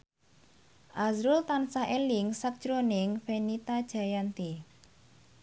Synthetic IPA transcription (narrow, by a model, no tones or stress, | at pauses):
ʔazɾʊlt̪ansaʔelɪŋsak̚d̥ʒ̥ɾonɪŋfenit̪ad̥ʒ̥a̤jant̪i